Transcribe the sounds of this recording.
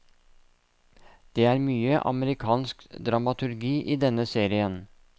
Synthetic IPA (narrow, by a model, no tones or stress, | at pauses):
d̪̥eːæːɾmyːəʔɑ̰məɾɪkʰɑːnskd̪ɾɑmɑt̪ʰʉɾɡiːʔiːd̪ɛnəseːɾɪən